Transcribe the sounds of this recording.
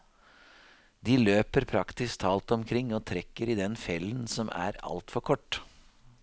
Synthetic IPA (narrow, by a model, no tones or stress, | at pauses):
d̪ɪløːpəɾpʰɾɑkt̪ɪst̪ʰɑːlt̪ɔmkʰɾɪŋːoːt̪ʰɾɛkːəɾid̪ɛnfjɛlːənsɔmæ̰ɾɑ̰lt̪fɔɾkʰɔʈː